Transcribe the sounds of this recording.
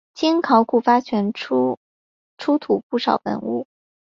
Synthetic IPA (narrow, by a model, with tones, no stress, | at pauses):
t͡ɕi˥ŋkʰɑ˧˥ʊkʰu˨˩fa˥t͡ɕʰɥɛ˧˥n˥ | ʈ͡ʂʰu˥t̪ʰu˨˩pu˥˩ʂɑ˨˩ʊpə̰˨˧˥nṵ˥˩